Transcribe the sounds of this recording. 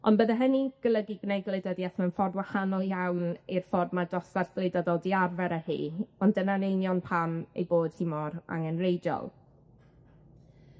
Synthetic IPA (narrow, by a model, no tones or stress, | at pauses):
ɔ̰nbəðaɦəniɡ̥əlˠəɡiɡnɛjɡlˠɪdɛdiaθmanfɔrdwahanɔlˠjawnirfɔrmadɔsarθlˠejdɔðɔlˠdiarvɛɾəhḭːɔndənanejnjɔnpʰamḛjboːd̥hɪmɔɾa̰ŋənrejdɔ̰lˠ